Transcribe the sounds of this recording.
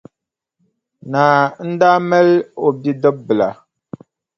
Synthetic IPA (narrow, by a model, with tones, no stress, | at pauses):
naː˨n̩˦da˦mɛ˦lo˨bi˦dɔ˦p̚bə˨la̰˨